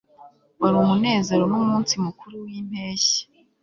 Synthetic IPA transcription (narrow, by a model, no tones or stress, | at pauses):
waɾumune̞ːze̞ɾo̞nomuːnsimukuɾuwiːn̥e̞ːçe̥